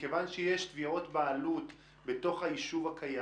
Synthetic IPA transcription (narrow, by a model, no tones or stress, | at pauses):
kevanʃejeʃt̪vio̞tbaalut̪ | be̞to̞χhajiʃuvhakʰaja